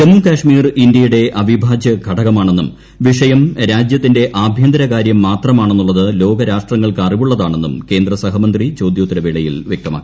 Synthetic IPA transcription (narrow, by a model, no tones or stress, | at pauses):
t͡ɕemːukaːʂmiːrindjɐjuɽe̞ʔɐʋʱibʱaːd͡ʑjɐɡʱɐɽɐɣɐmaːɳe̞nːum | ʋiʂɐjɐmɾaːd͡ʑjɐt̪ːinde̞ʔaːbʱjɐnd̪ɐɾɐkaːɾjɐmːaːt̪rɐmaːɳe̞nːuɭːɐðɨlo̞ːɡɐɾaːʂʈrɐŋːɐɭkariʋuɭːɐðaːɳe̞nːumke̞ːnd̪rɐsɐɦɐmɐnd̪rit͡ɕo̞ːd̪joːt̪ːinɐʋiɭɐjḭlʋjek̚t̪ɐma̰ːkːii